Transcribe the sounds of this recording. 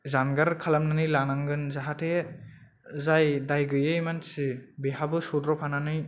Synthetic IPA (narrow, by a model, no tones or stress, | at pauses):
zanɡaɾkʰalamnanɯjlanaŋɡɯnzaɦatʰe | zajdajɡɯjejmansibeɦabɯsudɾɔpʰananɯj